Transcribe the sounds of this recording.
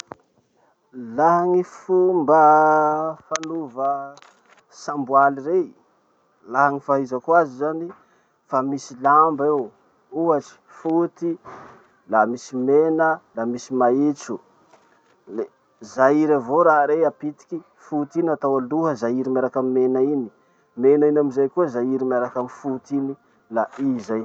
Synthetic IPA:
laɦaŋifumbə | fanuvə | sambwalire | laɦaŋifaɦizakwazizani | famisilambew | uaʈ͡ʂi̥fut̪i | lamisimenəlamisimait͡su | le | zaiɾavoɾaɾeapit̪i̥kʲi | fut̪inat̪awaluɦəzaiɾimaɾakamimenaini̥ | menainamizajkuəzajiɾimaɾakamifut̪ini | laʔizaj

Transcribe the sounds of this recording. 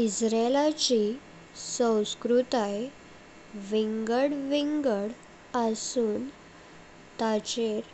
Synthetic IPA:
isɾelat͡ɕi | sə̃w̃skɾut̪aj | ʋiŋɡəɽʋiŋɡəɽ | əsuːn | t̪at͡ɕeɾ

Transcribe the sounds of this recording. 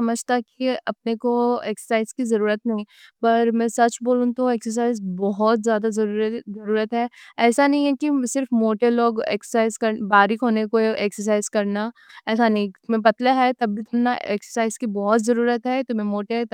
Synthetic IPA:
sɐməd͡ʒʱt̪akiɐp̚nekoeːksə̥saːɪzkizɐɾuːɾət̪nɐɦĩ | pɐɾmɛ̃sɐt͡ʃboːlũt̪oeːksəɾs̬aːɪzbɔɦɔt̪zjaːd̪azɐɾuːɾət̪ɦɛɛːsanɐɦĩɦɛkisɪɾfmoːʈeloːɡḛːksəsaːɪzkɐɾbaːɾikɦoːnekoʔeːksəɾs̬aːɪzkɐɾnaɛːsanɐɦĩt̪ʊmẽpɐt̪laɦɛt̪ɐbbʱit̪ʰʊnnaeːksəsaːɪzkibɔɦɔt̪zɐɾuːɾət̪ɦɛt̪ʊmẽmoːʈe

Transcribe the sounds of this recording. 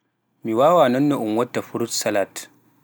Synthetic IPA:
miwaːwanɐnːoʔumwɐtːafuɾutsalat

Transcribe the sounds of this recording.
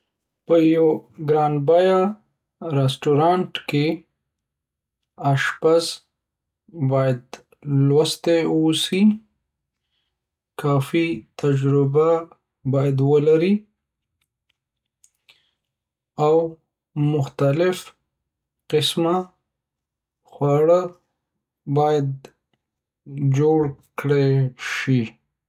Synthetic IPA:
pəjoɡɾɑːnbɑja | ɾesʈuɾɑɳʈke | aʃpaz | bɑjad̪ | lwast̪eosi | kɑfit̪ʰad͡ʒɾɪba | bɑjad̪wəlaɾi | aw | mʊxt̪alɪf | qɪsma | xwɑɽə | bɑjad̪̚ | d͡ʒoɽkɽeʃi

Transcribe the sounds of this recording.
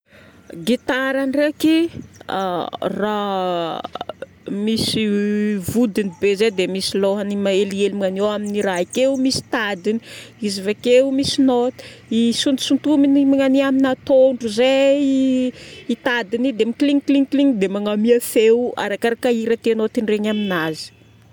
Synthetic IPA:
ɡit̪aɾanrekia̰ra | misivud̪inibezed̪emisiloɦanimaelielimŋanewaminiraikewumisi̥t̪ad̪ini̥izivekewumisinot̪i̥ | isunt̪u̥sunt̪uminimaŋaniaminat̪oɳɖ͡ʐuzei | it̪ad̪inid̪emikliŋkliŋkliŋd̪emaŋamiafewa̰ɾakaɾakaiɾat̪enot̪iɳɖ͡ʐeɲaminazi̥

